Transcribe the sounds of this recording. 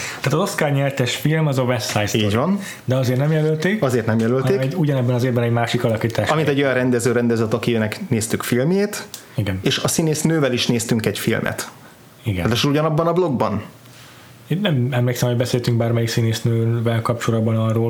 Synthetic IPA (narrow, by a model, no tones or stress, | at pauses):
t̪aːt̪ɒzo̞skaːrɲɛlt̪ɛʃfilmɒzovɛsajsːɟvɒn | d̪ɛɒzeːrt̪nɛmjɛlølt̪eːkɒzeːrt̪nɛmjɛlølt̪eɛuɟɒnɛbːɛnɒzeːbbɛnɛɟmaːʃikɒlɒkiːt̪aːʃɒmint̪ɛɟjɒnrɛnd̪ɛzøːɾɛnd̪ɛzɛt̪ɒkijønɛkneːst̪ykfilmjeːt̪ | iɡɛneːʃɒsineːsnøːvɛliʃneːst̪yŋkɛcfḭlmʔɛ̰t̪ | iɡɛt̪eʃuɟɒnɒbːɒnɒblo̞ɡbɒn | eːnːɛmɛmleːksɛmhoɟbɛseːlt̪yŋɡ̚baːrmɛjiksineːsnøːvɛlkɒp̚t͡ʃolɒd̪bɒnɒrːoːl